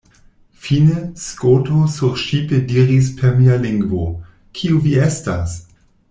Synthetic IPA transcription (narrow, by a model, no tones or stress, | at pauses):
fineskotosuɾʃipediɾis̬pʰeɾmialiŋɡvo | kʰiuviestas